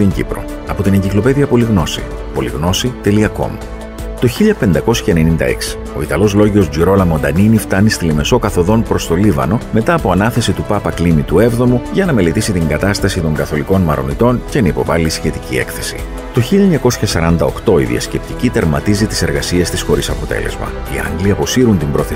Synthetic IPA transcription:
t̪iɲɟḭpɾo̞̰ | ɐpo̞t̪ineɲɟiklo̞pe̞ðiɐpo̞liɣno̞sḭ | po̞lḭɣno̞sit̪e̞liɐko̞̰m | t̪o̞çiʎɐpe̞nd̪ɐko̞sçɐene̞nind̪ɐ̰e̞̰ksi̥ | o̞it̪ɐlo̞zlo̞ʝio̞zd͡ʒiɾo̞lɐmo̞nd̪ɐninift̪ɐnist̪ilime̞so̞kɐθo̞ðo̞npɾo̞st̪o̞livɐ̰no̞me̞t̪ɐːpo̞ɐnɐθe̞sit̪upɐpɐklimit̪ue̞vðo̞muʝɐnɐme̞le̞t̪isit̪iŋɡɐt̪ɐst̪ɐsit̪o̞ŋɡɐθo̞liko̞nmɐɾo̞̰nit̪o̞nce̞nɐipo̞̰vɐlisçe̞t̪icḭe̞̰kθe̞sḭ | t̪o̞çiʎɐɲɐko̞sçɐsɐɾɐnd̪ɐo̞kt̪o̞ḭðḭɐ̰sce̞p̚t̪icit̪ɐɾmɐt̪izit̪i̥se̞ɾɣɐsie̞st̪isxo̞ɾisɐpo̞t̪e̞̰le̞̰zmɐ̰ | iɐ̰ŋɡliɐpo̞siɾunt̪imbɾo̞θe

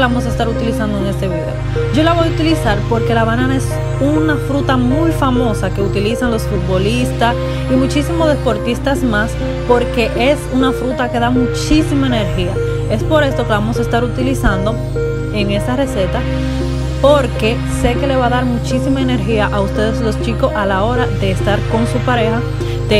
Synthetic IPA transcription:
lβamo̞s̬aest̪aɾut̪ilisand̪oeŋe̞st̪e̞βiðeo | ɟ͡ʝo̞laβo̞jut̪ilisaɾpo̞ɾke̞laβanãnae̞s | unafɾut̪amujfamo̞sake̞ut̪ilisaŋlo̞sfut̪̚bo̞list̪as | imut͡ʃisimo̞ðe̞spo̞ɾt̪ist̪asmas | po̞ɾke̞ʔe̞sunafɾut̪ake̞ðamut͡ʃisimaene̞ɾhia | e̞spo̞ɾe̞st̪o̞keeβamo̞s̬ae̞st̪aɾut̪ilisand̪o̞ | e̞ŋe̞st̪are̞se̞t̪a | po̞ɾke̞ | se̞ke̞le̞βaðaɾmut͡ʃisimaene̞ɾxiaʔaust̪e̞ðeslo̞st͡ʃiko̞sʔalao̞ɾaðe̞ːst̪aɾko̞ŋsupaɾe̞xa | d̪e

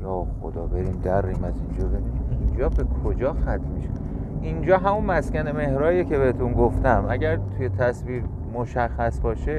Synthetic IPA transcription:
jɒːxo̰d̪ɒːbe̞ɾiːmd̪ærːiːmæzind͡ʒɒːbeɾiind͡ʒɒːbe̞kʰod͡ʒɒːxæt̪ʰmiʃe̥ | ind͡ʒɒːɦæmunmæskʲæne̞me̞hɾɒːjecʰe̞be̞het̪ʰunɡoft̪æmʔæɟæɾt̪ʰuje̞t̪ʰæsviːɾ | moʃæxːæsbɒːʃe

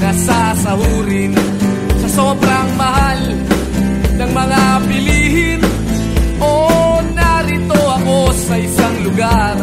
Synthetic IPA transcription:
nɐsasɐhuːɾɪn | sɐsoːbɾɐŋmɐhal | nɐŋmɐŋapɪliːhɪn | ʔonaɾɪt̪oɐko̞sɐʔɪsaŋlʊɡar

